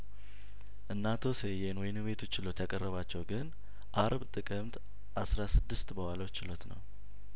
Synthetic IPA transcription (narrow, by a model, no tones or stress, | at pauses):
ʔɨnːat̪ʰo̞sejenwɔjnɨwe̞t̪ʰo̞t͡ʃːɪlo̞t̪jakʼərːəβat͡ʃːɛwɡɨn | ʔaɾbt̪ʼɨkʼɨmt̪ | ʔasɾasɨd̪ːɨst̪bəwalot͡ʃːɪlo̞t̪nə̰w